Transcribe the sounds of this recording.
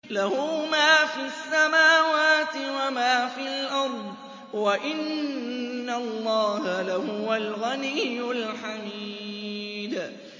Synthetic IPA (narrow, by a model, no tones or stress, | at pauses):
lahumaːfiasːamaːwaːt̪ɪwamaːfiːalʔɑɾˤd̪ˤ | waʔɪnː | alˤːɑːhalahʊwalɣanijːʊlħamiː | d̪